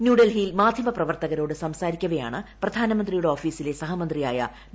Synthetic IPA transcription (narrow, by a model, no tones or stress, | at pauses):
njuːɽɐlɦiːlmaːd̪ʱjɐmɐprɐʋɐrt̪ɐɣɐɾo̞ːɽɨsɐmsaːɾikʲːuɣɐja̰ːɳɨprɐd̪ʱaːnɐmɐnd̪rijuɽeo̞ːfiːsile̞sɐɦɐmɐnd̪rija̰ːjɐ̰